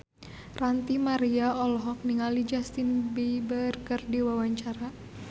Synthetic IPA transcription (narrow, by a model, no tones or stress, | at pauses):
rant̪imaɾiaɔlɔɦɔk̚niŋalid͡ʒast̪inbibərkərdiwawaɲt͡ʃaɾa